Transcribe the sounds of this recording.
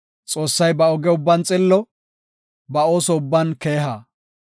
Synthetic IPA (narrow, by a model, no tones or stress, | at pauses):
t͡sʼo̞ːsːɐjbɐɔɡɛʊbːɐnt͡sʼɪlːɔ | bɐoːsɔʊbːɐnke̞ːɦa